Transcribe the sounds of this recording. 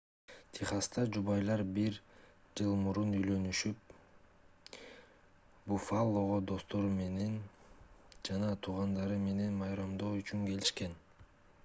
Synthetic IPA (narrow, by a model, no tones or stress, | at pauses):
t̪ʰiχɑst̪ɑd͡ʒuβɑjlˠɑɾbiɾ | d͡ʒɯlˠmuɾunyjlø̞nyʃyp̚ | bufalˠːo̞ʁod̪o̞st̪o̞ɾme̞ne̞n | d͡ʒɑnɑt̪ʰuːʁɑnd̪ɑɾɯme̞ne̞nmɑjɾɑmd̪o̞ːyt͡ʃyŋke̞liʃke̞n